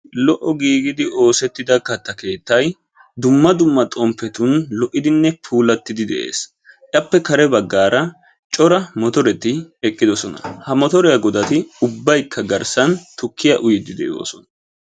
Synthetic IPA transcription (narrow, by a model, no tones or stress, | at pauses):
lɔʔɔɡiːɡɪd̪ɪo̞ːsɛt̪ːɪd̪ɐkːɐt̪ːɐke̞ːt̪ːɐj | d̪ʊmːɐd̪ʊmːɐt̪ʼɔmpːɛt̪ʊnlɔʔːɪd̪ɪnːɛpʰuːlɐt̪ːɪd̪ɪd̪ɛ̰ʔḛːs | ʔɐpːɛkɐɾɛbɐɡːaːɾɐ | t͡ʃʼɔɾɐmɔt̪ɔɾɛt̪ɪɛkʼːɪd̪ɔsɔnɐ̰hɐmɔt̪ɔɾɛjɐɡɔd̪ɐt̪ɪʊbːɐjkʰːɐɡɐɾsɐnt̪ʊkʰːɪjɐʔʊjɪd̪ɪd̪ɛʔo̰ːsɔnɐ